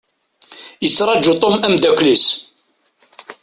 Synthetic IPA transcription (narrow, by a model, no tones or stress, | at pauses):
jət͡sːɾˤɑd͡ʒːut̪ˤomæmd̪ækʷlis